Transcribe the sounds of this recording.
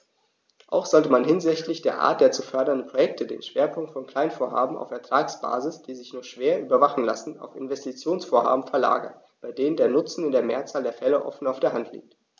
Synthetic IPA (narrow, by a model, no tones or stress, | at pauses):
ʔa̰ʊxz̥ɔltəmanɦɪnzɪçtlɪçd̥eːɐʔa̰ːɐt̚d̥eːɐt͡sufœɐdɐndən̩pʁ̥ojɛk̚tʰədḛːnʃv̥eːɐpʰʊŋk̚tfɔnkl̥aɪnfoːɐha̰ːbm̩a̰ʊfɛɐtʁ̥aːksb̥a̰ːzɪsd̥iːzɪçnuːɐʃv̥eːɐʔyːbɐvaχn̩la̰sn̩a̰ʊfɪnvɛstit͡sjoːnsfoːɐha̰ːbm̩fɛɐla̰ːɡɐ̰n | b̥aɪdeːnəndeːɐnʊt͡sn̩ɪndeːɐmḛːɐt͡saːldeːɐfɛlə̰ʔɔ̰fn̩aʊfd̥eːɐɦantʰlḭːk̚t